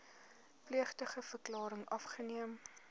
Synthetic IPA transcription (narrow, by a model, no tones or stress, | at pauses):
pliəχtəχəfərklɑːɾəŋʔɐfχəniəm